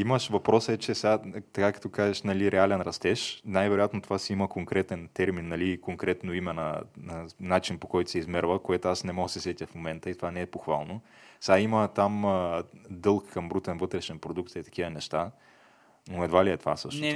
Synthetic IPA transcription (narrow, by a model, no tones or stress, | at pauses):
iməʃvɐpɾɔsɛt͡ʃɛsɛɡat̪ɐkakɐ̥t̪ɔkazɛʃnɐliɾʔɛalɛnɾɐst̪ɛʃnajvɛɾojat̪not̪ovasiiməkoŋkɾɛt̪ɛnt̪ɛɾminːɐlikoŋkɾɛt̪noimɛnɐ̰ | nat͡ʃinpokɔjt̪ʊ̥sɛizmɛɾvəkoɛt̪oasnɛmɔɡəsɛsɛt̪ʲjəfmomɛnt̪əit̪ovanɛɛpoxvalˠno | sɛɡaimət̪aməd̪ɤlˠkkɐmbɾut̪ɛnvɤt̪ɾɛʃɛnpɾod̪ukt̪it̪ɐ̥k̟ivənɛʃt̪a | noɛd̪valiɛt̪ova̰sɤʃno